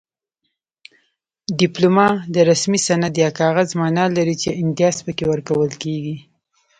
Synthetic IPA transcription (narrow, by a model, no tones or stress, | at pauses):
ɖɪplumɑd̪əɾasmisanad̪jɑkɑɣazmɑnɑlaɾit͡ʃeɪnt̪jɑspəkewəɾkawəlkeɡi